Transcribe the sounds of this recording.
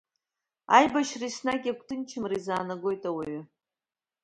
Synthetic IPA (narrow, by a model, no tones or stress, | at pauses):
a̰jbaʃrisnakʲʼakʷʰʼtʰɨnt͡ʃʰɪmrizaːnaɡʷo̞jtʼawaɥʏ